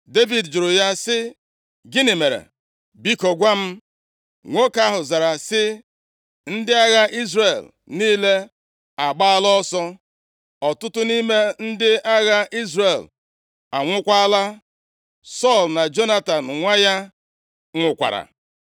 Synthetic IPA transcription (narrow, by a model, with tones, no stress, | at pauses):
de˦vi˨dd͡ʒʊ˨ɾʊ˨ja˦sɪ˦ | ɡɪ˦ni˨me˨ɾḛ˨ | bi˦ko˨ɡʷa˦m̩˦ | ŋʷo˦ka˦ɦʊ˨za˨ɾa˨sɪ˦ | n̩˦dɪ˦a˦ɣa˦ʔi˦zre˨l | niː˦le˦ | a˨ɡ͡ba˦a˦lɔ˦sɔ˦ | ɔ˨tʊ˦tʊ˦ni˦me˦n̩˦dɪ˦ʔa˦ɣa˦ʔi˦zre˨l | a˨ŋʷʊ˦kʷa˦la˦ | sɔ˦˨lna˨d͡ʒo˦na˦˨ta˨n̩˨ŋʷa˦ja˦ | ŋʷʊ˨kʷa̰˨ɾa̰˨